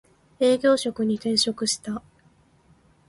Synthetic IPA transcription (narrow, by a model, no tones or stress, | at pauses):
e̞ːɡʲo̞ːɕo̞kɯ̟ɲ̟ik̪ẽ̞ɰ̃ɕo̞kɯ̟ɕi̥t̪a